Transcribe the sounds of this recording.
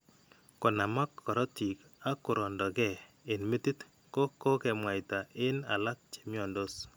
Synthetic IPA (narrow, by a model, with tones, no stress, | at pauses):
kɔ˨na˨ma˦kʰːɔ˨ɾɔ˦ti˨ka˦kʊ˨ɾɔ˨ndɔ˨ɡɛ˦˨e˨nmi˦ti˦t̪ | ko˦ko˦kɛ˨mwa˨jta˨ɪ˦na̰˨la˦k̚t͡ʃe̥˨mjɔ˨ndo˦s